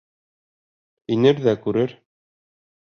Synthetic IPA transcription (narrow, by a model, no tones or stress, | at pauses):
inɘɾðækʉɾɘɾ